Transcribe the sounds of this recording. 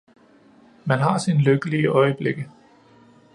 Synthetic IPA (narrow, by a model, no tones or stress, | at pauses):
mænɦɑ̈sinəløɡ̥əliəʔɒ̽ɪəb̥le̝ɡ̥ə